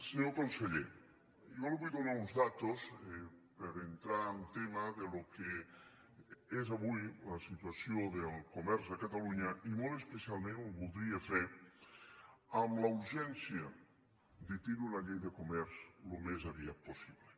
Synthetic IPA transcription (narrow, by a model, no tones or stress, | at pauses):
seɲokonseʎe | joliβujðonaunzðat̪ospəɾent̪ɾaːnt̪emaðeloke | ezaβujlasit̪uasjoðelˠkomɛɾzðəkat̪aluɲaʔimolˠt̪espesialˠmẽnoβulˠd̪ɾiefɛɾ | amlauɾʒɛnsjə | d̪it̪iɾunaʎejðəkomɛɾzlomezaβiat̪̚posiβle